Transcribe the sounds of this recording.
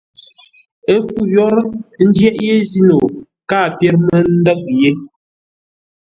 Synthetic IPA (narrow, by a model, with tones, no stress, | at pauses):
e˦fu˦jɔ˦ɾn̩˦d͡ʒjɛ˦ʔje˦zi˦no˨ | kaː˦˨pjɛ˦ɾmə˦n̩˦dɔ˦k̚je˦